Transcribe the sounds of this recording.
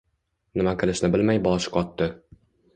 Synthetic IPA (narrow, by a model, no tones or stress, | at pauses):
nɪmaqʰɨlˠɪʃnɪbɪlmajbɒʃqʰɒt̪ːɪ